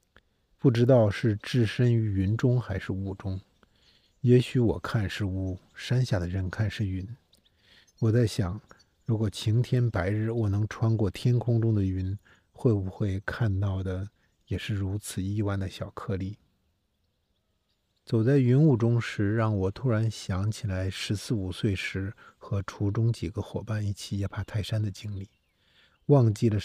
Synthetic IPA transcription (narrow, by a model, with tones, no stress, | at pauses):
pu˥˩ʈ͡ʂɻ̩˥t̪̬ɑ˥˧ʊʂɻ̩˥˩ʈ͡ʂɻ̩˥˩ʂə˥ny˧˥y˧˥nʈ͡ʂʊ˥ŋxa˧˥ɪʂɻ̩˥˧u˥˩ʈ͡ʂʊ˥ŋ | jɛ˧˥ɕy˧˥wɔ̰˨˩kʰa˥˧nʂɻ̩˥˧u˥˩ | ʂa˥nɕja˥˩d̪ə˩ɻə˧˥nkʰa˥˧nʂɻ̩˥˩y˧˥n | wɔ˨˩t͡sa˥˩ɪɕjɑ˨˩˦ŋ | ɻu˧˥kwɔ˨˩t͡ɕʰi˧˥ŋt̪ʰjɛ˥npa˧˥ɪɻɻ̩˥˩wɔ˨˩nɤ˧˥ŋʈ͡ʂʰwa˥nkwɔ˥˩t̪ʰjɛ˥nkʰʊ˥ŋʈ͡ʂʊ˥ŋd̪ə˨y˧˥n | xwe˥˩ɪbu˧xwe˥˧ɪkʰa˥˧nt̪ɑ˥˩ʊd̪ə˩ | jɛ˨˩ʂɻ̩˥˩ɻu˧˥t͡sʰɹ̩˨˩i˥˧wa˥˩nd̪ə˩ɕjɑ˨˩ʊkʰɤ˥˧li˥˩ | t͡so˨˩ʊt͡sa˥˩ɪy˧˥nu˥˩ʈ͡ʂʊ˥ŋʂɻ̩˧˥ɻɑ˥˩ŋwɔ˨˩t̪ʰu˥ɻa˧˥nɕjɑ˧˥ŋt͡ɕʰi˨˩la˧˥ɪʂɻ̩˧˥sɹ̩˥˩u˨˩swe˥˩ɪʂɻ̩˧˥xɤ˧˥ʈ͡ʂʰu˧˥ʈ͡ʂʊ˥ŋt͡ɕi˨˩ɡə˦xwɔ˨˩pa˥˧ni˥˩t͡ɕʰi˨˥jɛ˧˩pʰa˥˩t̪ʰa˥˩ɪʂa˥nd̪ə˨t͡ɕi˥ŋli˥˩ | wɑ˥˧ŋt͡ɕi˥˩lə˩